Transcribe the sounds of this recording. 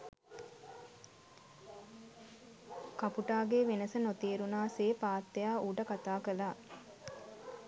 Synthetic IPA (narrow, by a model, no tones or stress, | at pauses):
kɐpuʈaːɡeːʋenəsənot̪eːɾunaːseːpaːt̪ːejaːʔuːʈəkat̪aːkəlaː